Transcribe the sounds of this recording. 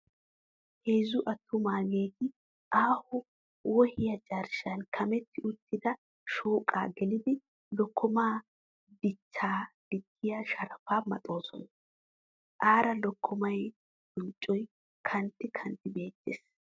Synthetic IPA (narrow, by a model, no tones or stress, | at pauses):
heːzʊʔɐt̪ʰːʊmaːɡeːɡɪ | ʔaːhʊ | wɔhɪjɐt͡ʃʼɐɾʃɐnkʰɐmɛt̪ːɪʔʊt̪ːɪd̪ɐ | ʃoːkʼa̰ːɡɛlɪd̪ɪ | lɔkʰːɔmaː | d̪ɪt͡ʃːaːd̪̥ɪtʰːɪjɐʃɐɾɐfaːmɐ̰t̪ʼo̞ːsɔ̰nɐ | ʔaːɾɐlɔkʰːɔmɐj | dʊnt͡ʃʼːɔj | kʰɐnt̪ːɪkʰɐnt̪ːɪbe̞ːt̪ːḛːs